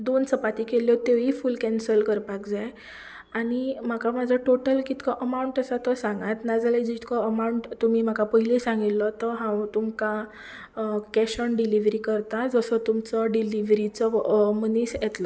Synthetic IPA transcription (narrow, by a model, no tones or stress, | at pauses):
d̪onsəpat̪ikeljɔt̪eʋifulkɛ̃nsəlkəɾpakd͡zaj | aɽ̃im̤akamad͡zʱəʈoʈəlkit̪kəʔəmauɳʈəsat̪əsãŋɡat̪nad͡zaled͡ʑit̪kɔəmauɳʈt̪umim̤akapəɦilesãŋɡilːɔt̪əɦãwt̪umka | kɛɕəɳɖiliʋɾikəɾt̪ad͡zəsət̪umt͡səɖiliʋɾit͡səmənisjɛt̪lɔ